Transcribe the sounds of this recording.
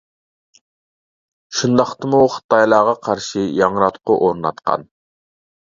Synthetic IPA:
ʃund̪ɑχt̪ɨmuχə̥t̪ʰɑjlˠɑːʁɑqʰɑɾʃijɑŋɾɑt̪qʊʔoɾnɑ̰t̪qʰɑ̰n

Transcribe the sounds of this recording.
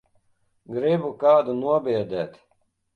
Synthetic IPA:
ɡɾibukaːd̪unuɔbiːd̪æːt̪

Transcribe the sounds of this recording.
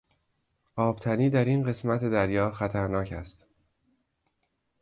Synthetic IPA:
ʔɒːb̥t̪ʰæniːd̪æɾinɢe̞smæt̪ʰed̪æɾjɒːxæt̪ʰæɾnɒːcʰæ̰st̪

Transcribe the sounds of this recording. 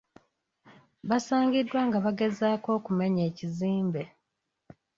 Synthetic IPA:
βasaːɲɟidːwaŋɡaβaɡe̞zaːko̞ːkume̞ɲeːciziːmbe̞

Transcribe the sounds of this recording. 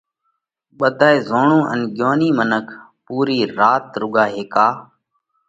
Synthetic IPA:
ɓəd̪ʱaːeːzoːɳũːʔə̰nɠjoːniːmənəkʰ | puːɾiːɾaːt̪ɾʊɡaːɦeːkaː

